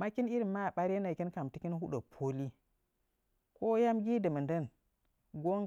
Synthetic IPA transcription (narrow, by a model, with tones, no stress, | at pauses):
ma˦ki˦ni˦ɾi˨ma˦˨ɓa˦ɾe˦na˨ki˦nka˨mti˦ki˦nhu˦ɗə˨pʰo˦li˦ | ko˦ja˦mɡʲi˦də˨mə˨ndə˦˨n | ɡo˦ŋ